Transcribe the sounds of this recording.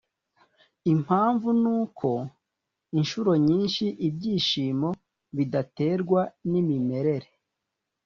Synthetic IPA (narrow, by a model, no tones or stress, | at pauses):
im̥haːɱvunuːkʰo̞ | inʃuɾo̞ɲiːnʃiʔibɟiːʃiːmo̞ | βidate̞ːɾɡwanimime̞ɾe̞ɾe